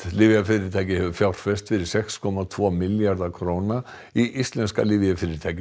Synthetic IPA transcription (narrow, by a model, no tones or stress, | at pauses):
lɪvjafɪɾɪt̪ʰaːjcɪhɛvʏfjawr̥fɛst̪fɪɾɪɾ̥sɛkskʰɔmat̪ʰvɔːmɪljaɾðakʰɾowna | iʔist̪lɛnska̰lɪvɪafɪɾɪt̪ʰaːjcɪ